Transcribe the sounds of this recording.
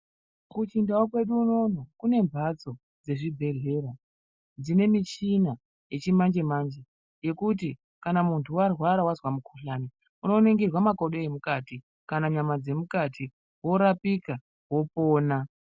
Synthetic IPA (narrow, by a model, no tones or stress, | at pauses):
kut͡ʃindawokwe̞ɗuːno̞nokune̞mbʱat͡so̞ | d͡ze̞ʐibʱe̞ɮe̞ːɾa | d͡zine̞mit͡ʃina | je̞t͡ʃimand͡ʒe̞mand͡ʒe̞ | je̞kut̬i | kanamuntʰuwarwaɾawazwamukʰuɬaːni | uno̞neŋɡirwamako̞ɗoemukaːti | kanaɲamad͡ze̞mukatʰi | wo̞ɾapika | wo̞poːna